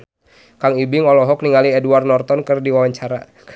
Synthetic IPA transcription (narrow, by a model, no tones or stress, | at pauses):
kaŋibɪŋɔlɔɦɔk̚niŋaliɛduwarnɔrt̪ɔnkərdiwawaɲt͡ʃaɾa̰